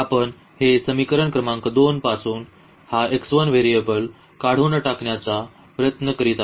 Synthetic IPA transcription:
apəɳ | hesəmikəɾəɳkɾəmãŋkd̪onpasuːn | haeksʋənʋeɾijebəl | kaɽ̤unəʈakɳjat͡sa | pɾəjət̪nəkəɾit̪a

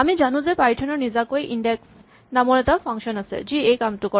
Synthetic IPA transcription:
amid͡ʑanud͡ʑepajʈʰonoɾnid͡ʑakoeʔiɳɖeks | namonet̪afʰaŋʃonasʰḛd͡ʑiejkamʈukɔ

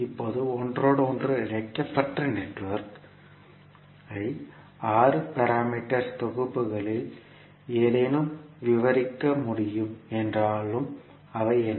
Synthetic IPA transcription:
ɪpːoðɯɔndroːɽɯɔndrɯɪɻɐɪkːɐpɐʈrɯnɛʈːʋɐɾk | ɐɪ | aːrɯpɐɾaːmiːʈːɐɾt̪ɔɣɯpːɯɣɐɭɪl | eːðɐnɯmʋɪʋɐɾɪkːɐmʊɽɪjɯmɛndraːɭɯm | ɐʋɐɪɛn

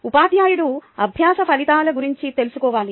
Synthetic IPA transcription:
upaːd̪jaːjuɽuɐbʱjaːsɐpʰɐlit̪aːlɐɡuɾiɲt͡ʃit̪e̞lusukɔːʋaːli

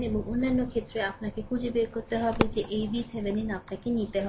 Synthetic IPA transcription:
nebɔŋʊnːanːokʰet̪ɾeapnakekʰud͡ʒibekɔɾt̪eɦɔbed͡ʒeʔejbiseʋeninapnakenit̪eɦɔ

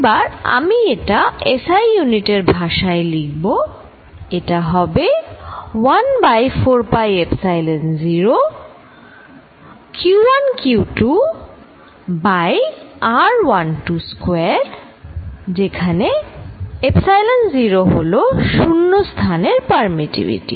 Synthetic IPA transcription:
baɾa̰mieʈaesajːuniʈeɾbʱaʃaeliɡ̚bo | eʈaɦɔbe | wanbajfoɾpajepsajlenziɾo | kuɾankjiwʈu | bajaɾwanʈuskweaɾ | d͡ʑekʰane | epsajlenziɾoɦo̰loʃunːost̪ʰaneɾpaɾmiʈḭbḭʈḭ

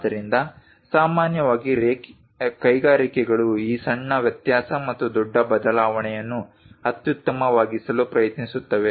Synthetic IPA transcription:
d̪ɐɾind̪ɐ | saːmaːnjɐʋaːɡiɾeː | kɐjɡaːɾikɛɡɐɭuiːsɐɳːɐʋjɐt̪jaːsɐmɐt̪ːud̪ɔɖːɐbɐd̪ɐlaːʋɐɳɛjɐnːu | ɐt̪jut̪ːɐmɐʋaːɡisɐlupɾɐjɐt̪nisut̪ːɐʋe

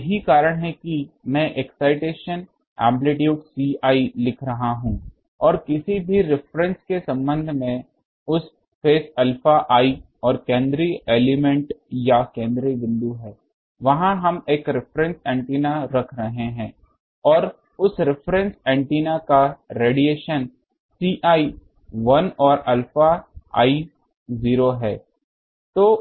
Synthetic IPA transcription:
ɦikaːɾəɽ̃ɦɛkimɛ̃ʔeksaːɪʈeːʃən | ɛ̰̃ːmbleːʈjoːɡsiːaːilɪkʰɾɐɦaɦũː | ɔːɾkɪsibʱiɾɪfɾɛ̃nskesɐ̃mbə̃nd̪ʱmẽ | ʊs | feːsɐlfaʔaːi | ɔːɾkẽːnd̪ɾieːlɪmɛ̃ɳʈjakẽːnd̪ɾiʋɪ̃nd̪uɦɛː | ʋɐɦãɦɐmeːkɾɪpʰɾɛ̃nsɛ̃ːɳʈiːnaɾɐkʰɾɐɦeɦɛ̃ː | ɔːɾ | ʊsɾɪpʰɾɛ̃nsɛ̃ːɳʈiːnakaɾeːɽijeːʃən | siːʔaːi | ʋɐnɔːɾɐlfaa̰ːi | ziːɾoɦɛː | t̪oː

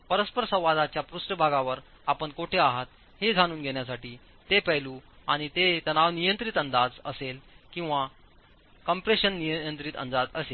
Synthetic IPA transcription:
pəɾəspəɾsə̃w̃ʋad̪at͡ɕjapɾusʈəbʱaɡaʋəɾ | apəɳkoʈʰeaɦat̪ | hed͡zʱaɽ̃uːnɡʱeɳjasaʈiː | t̪epɛluaɽ̃it̪et̪ənaʋnijənt̪ɾit̪ənd̪ad͡zə̰selkĩw̃ʋa | kəmpɾeɕənːijəənt̪ɾit̪ə̰nd̪ad͡zəsel

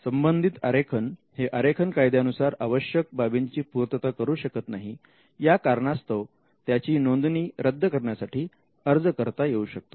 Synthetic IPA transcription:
səmbənd̪ʱit̪əɾekʰənheʔəɾekʰənkajd̪janusaɾaʋəɕjək̚babiɲt͡ɕiːpuɾt̪ət̪akəɾuːɕəkət̪naɦi | jakaɾɳast̪ʰəʋ | t̪jat͡ɕiːnond̪niːɾəd̪ʱːəkəɾɳjasaʈiː | əɾd͡zkəɾt̪ajeuːɕək̚t̪o

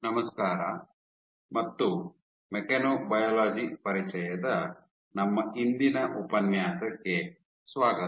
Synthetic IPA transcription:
nɐmɐskaːɾɐ̰ | mɐt̪ːu | mekɐnoːbɐjɐːlaːd͡ʒipɐɾit͡ʃɐjɐd̪ɐ | nɐmːɐind̪inɐʔupɐnjaːsɐkːe | sʋaːɡɐ

